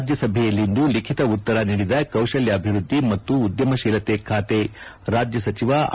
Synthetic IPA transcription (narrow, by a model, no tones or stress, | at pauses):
d͡ʒjɐsɐbʱɛjɐlːind̪ulikʰit̪ɐut̪ːɐɾɐniːɽid̪ɐkɐwʃɐljɐːbʱiɾud̪ʱːimɐt̪ːuːd̪jɐmɐʃiːlɐt̪ekʰaːt̪e | ɾaːd͡ʒjɐsɐt͡ʃiʋa